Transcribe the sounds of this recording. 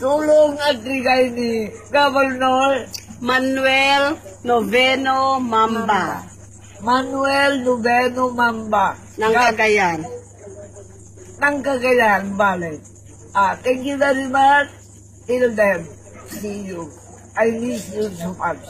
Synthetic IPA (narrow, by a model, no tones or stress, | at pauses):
t̪uːloŋat̪ɾɪɡajniɡavɛɾnoɾmanwɛlnovɛnomamba | manuɛlnobɛnomamba | naŋakaɡajan | nɐŋkaɡajanbalɛt̪̚ | at̪ɛŋkjuvɛɾimat͡ʃ | ild̪ɛm | sijuɡ | ajnisnud͡ʒuman